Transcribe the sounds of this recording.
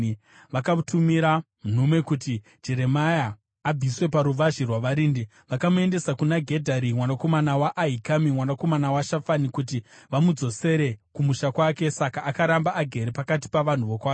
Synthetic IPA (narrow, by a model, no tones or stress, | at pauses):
ʋakatʰumiɾamun̤ume̞kuti̥ | d͡ʒe̞ɾe̞majaː | b͡vʱiswe̞paɾuʋaʒirwaʋaɾiːndi | ʋakamue̞nde̞sakunaɡʱe̞dʱaɾimwanako̞manawaʔːɦikamimwanako̞manawaʃafanikut̬iʋamud͡zo̞se̞ɾe̞kumuʃakwake̞sakaːkaɾambaʔaɡʱe̞ɾepakat̬i̥paʋan̤uʋo̞kwaːke